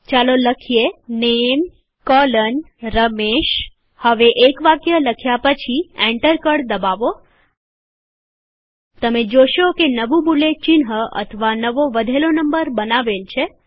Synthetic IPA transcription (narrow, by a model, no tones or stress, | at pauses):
t͡ʃaloləkʰijenem | kɔlən | ɾəmeʃ | həʋeʔekʋakjələkʰjapət͡ʃʰiɛ̃ɳʈəɾkəɽd̪əbaʋo | t̪əmed͡ʒoʃokenəʋũbulet͡ʃɪnɦəə̰t̪ʰəʋanəʋoʋəd̪ʱelonəmbəɾbənaʋelt͡ʃʰe